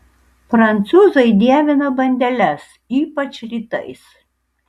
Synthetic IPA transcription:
pɾɐnʲt̪suːzɐɪd̪ʲiɛʋʲɪnɐbɐnʲd̪ʲɛlʲɛs | iːpɐt͡ʃʲɾʲiːt̪ɐ̰ɪs

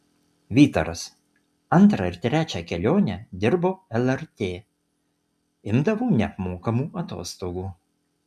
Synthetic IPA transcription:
ʋʲiːt̪ɐɾɐs | ɐnt̪ɾɐɪɾt̪ʲɾʲæːt͡ʃʲɛkʲɛlʲoːnʲɛd̪ʲɪɾboːɛlˠɛɾt̪ʲeː | ɪmd̪ɐʋoːnʲɛpmoːkɐmuːɐt̪o̰ːst̪oːɡuː

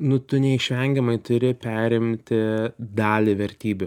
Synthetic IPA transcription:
nʊt̪ʊnʲɛɪʃʲʋʲɛŋʲɡʲɛmɐɪt̪ʊɾʲɪpʲæːɾʲɪmʲt̪ʲɪd̪ɑːlʲɪʋʲɛɾʲt̪ʲiːbʲʊ

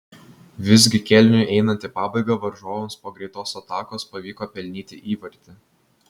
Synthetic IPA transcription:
ʋʲɪzʲɡʲɪkʲɛlʲnʲʊjʔɛɪnɐnʲt̪ʲɪpɑːbɐɪɡɐʋɐɾʒoːʋʲɛnspoːɡɾʲɛɪt̪oːsɐt̪ɑːkoːspɐʋʲiːkoːpʲɛlʲnʲiːt̪ʲɪʔiːʋɐɾʲt̪ʲɪ

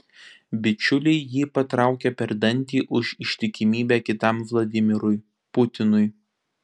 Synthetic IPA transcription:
bʲɪt͡ʃʲʊlʲɛɪjiːpɐt̪ɾɑˑʊkʲɛpʲɛɾd̪ɐnʲt̪ʲiːʔʊʃɪʃʲt̪ʲɪkʲɪmʲiːbʲæːkʲɪt̪ɐmʋlˠɐd̪ʲɪmʲɪɾʊj | pʊt̪ʲɪnʊɪ

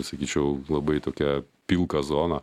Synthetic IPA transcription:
sɐkʲiːt͡ʃʲɛʊlˠɐbɐɪt̪oːkʲɛ | pʲilˠkɐzoːnɐ

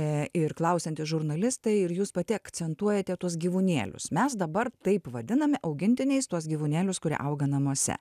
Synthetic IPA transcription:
ɪɾklˠɐʊsʲɛnʲt̪ʲɪsʒʊɾnɐlʲɪst̪ɐɪɪɾjuːspɐt̪ʲɪɐkt̪sʲɛnt̪uɔjɛt̪ʲɛt̪uɔs̬ɡʲiːʋʊnʲḛːlʲʊ̰smʲɛsd̪ɐbɐrt̪ɐɪpʋɐd̪ʲɪnɐmʲɛʔɐʊɡʲɪnʲt̪ʲɪnʲɛɪst̪uɔsɡʲiːʋunʲeːlʲʊskʊɾʲḭʔɐʊɡɐnɐmuɔsʲɛ̰

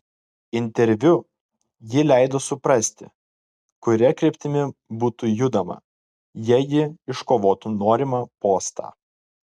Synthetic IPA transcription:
ɪnʲt̪ʲɛɾʲʋʲʊ | jɪlʲæˑɪd̪oːsʊpɾɐsʲt̪ʲɪ̰ | kʊɾʲɛkɾʲɛpʲt̪ʲɪmʲɪbuːt̪uːjʊd̪ɐmɐ̰ | jiɛjɪɪʃkoːʋoːt̪unoːɾʲimɑpoːst̪ɑ̰ː

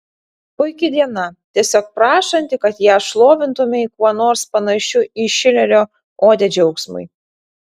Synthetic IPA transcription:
pʊɪkʲɪd̪ʲiɛnɐt̪ʲiɛsʲoːk̚pɾɑːʃɐnʲt̪ʲɪkɐt̪jæːʃlˠoːʋʲɪnt̪ʊmʲɪkuɔnoːɾspɐnɐʃʲʊiʃʲɪlʲɛɾʲoː | oːd̪ʲɛd͡ʒʲɛʊksmʊ̰j

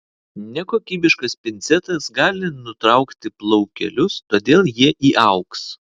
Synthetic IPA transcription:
nʲɛkoːkʲiːbʲɪʃkɐspʲɪnʲt̪sʲɛt̪ɐsɡɑːlʲɪnʊt̪ɾɐˑʊkt̪ʲɪplˠɔʊkʲɛ̰lʲʊst̪oːd̪ʲeːlˠjiɛʔiːʔɐʊks

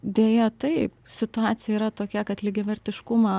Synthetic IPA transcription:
d̪ʲeːjɛt̪ɐɪpsʲɪt̪ʊɑːt̪sʲɪjɛiːɾɐt̪oːkʲɛkɐt̪lʲɪɡʲɛʋʲɛɾʲt̪ʲɪʃkʊmɑ

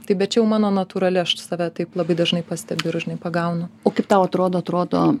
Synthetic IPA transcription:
t̪ɐɪbʲɛt̪̚t͡ʃʲɛjɛʊmɑːnoːnɐt̪uːɾɐlʲɪɐʃsɑːʋʲæt̪ɐɪplˠɐbɐɪd̪ɐʒnɐɪpɑsʲt̪ʲɛbʲʊɪɾʒʲɪnɐɪpɐɡɐʊnʊoːkɐɪp̚t̪ɐʊɐt̪ɾoːd̪oːɐt̪ɾoːd̪oː

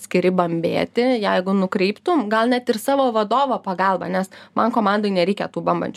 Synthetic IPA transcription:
sʲkʲɪɾʲɪbɐmʲbʲḛːt̪ʲɪjɛɪɡʊnʊkɾʲɛɪpt̪ʊmɡɐlˠnʲɛt̪ɪrsɑːʋoːʋɐd̪oːʋoːpɐɡɑlˠbɐnʲɛsmɐnkoːmɑnd̪oːɪnʲɛɾʲɛɪkʲɛt̪uːbɐmbɐ̰nʲt͡ʃʲ

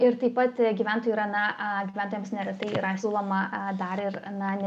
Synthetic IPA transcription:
ɪɾt̪ɐɪpɐt̪ɡʲiʋʲæˑnt̪oːjuiːɾɐnɐɡʲiʋʲænt̪oːjɛmsnʲɛɾʲɛt̪ɐɪiːɾɐsʲuːlˠoːmɐd̪ɐɾɪrnɐnʲ

